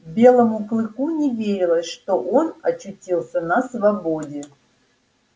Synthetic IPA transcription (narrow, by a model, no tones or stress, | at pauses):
bʲe̞lˠəmʊklˠɨkunʲɪvʲeɾʲɪlˠəsʲʂt̪oʔonɐt͡ɕːʊtʲilˠsʲənəsvɐbo̞dʲɪ